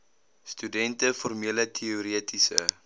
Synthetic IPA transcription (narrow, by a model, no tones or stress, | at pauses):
stydɛntəformiələtʰiuɾiətisə̰